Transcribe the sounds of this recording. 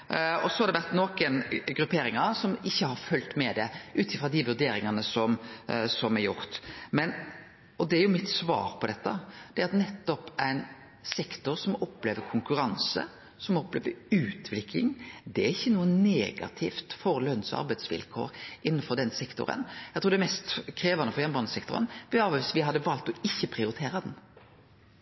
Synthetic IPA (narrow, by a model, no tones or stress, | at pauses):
ɔsɔhɑɾd̪ɛʋæɾt̪nɔkənɡɾʉpʰeːɾɪŋɑsɔmɪçːəhɑɾfœlt̪mɛd̪ɛʔʉːt̪ɪfɾʁɑd̪ɪʋʉd̪eːɾɪŋɑnəsɔmsɔmæɾjʊɾt̪mɛn | ɔd̪ɛæɾjʊmɪt̪sʋɑ̰ːɾpʰɔd̪ɛt̪ːɑd̪̥ɛæɾɑt̪nɛt̪ːɔpæɪn | sɛkt̪ʊɾsɔmɔpːleːʋəkʰʊŋkʉɾɑnsə̰ | sɔmɔpːleːʋəɾʉːt̪ʋlɪkʰlɪŋd̪ɛæɾɪçːənuːənːeːɡɑ̰t̪ʰɪːft̪fɔɾlœnsɑ̰ɾbæɪd̪sʋɪ̰lkʰo̰ːɾʔɪnːənfɔɾd̪ɛnsɛkt̪ʊ̰ɾə̰njæɡt̪ʰuːɾd̪ɛmɛst̪kʰɾeːʋɑnəfɔɾjɛnbɑnəsɛkt̪ʊɾə̰nʋɪɑːʋəʋɪsʋɪɦɑd̪ːəʋɑːlt̪ɔɪçːəpʰɾɪʊɾɪt̪ʰeːɾɑd̪n